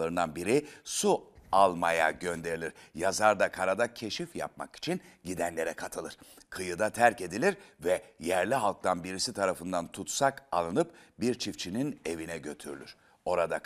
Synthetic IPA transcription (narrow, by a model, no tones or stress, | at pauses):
aɾɯnd̪anbiɾisualˠmaja̰ɟønd̪e̞ɾilʲiɾ̥jazaɾd̪akʰaɾad̪acʰe̞ʃifja̰p̚ma̰ki̥t͡ʃʰinɟid̪ænlʲe̞ɾɛkʰat̪ʰɯlˠɯɾ̥kʰɯjɯd̪at̪ʰæɾce̞d̪ilʲiɾvɛjæɾlʲiɦalˠk̚t̪ʰanbiɾisit̪ʰaɾafɯnd̪ant̪ʰut̪saka̰lˠɯnɯpbiɾt͡ʃʰift͡ʃʰinine̞vinɛɟø̞t̪ʰyɾlʲy̰ɾ̥ | o̞ɾad̪a